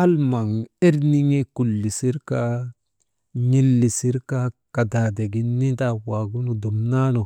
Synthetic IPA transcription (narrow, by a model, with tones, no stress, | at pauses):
a˦lma˨ŋe˦ɾni˦ŋe˦ku˨lːi˨si˦ɾka˦ | ɲi˦lːi˨si˦ɾka˦ka˨da˨de˨ɡi˨nːi˦ta˨wa˨ɡu˦nu˨du˨mna˦no˨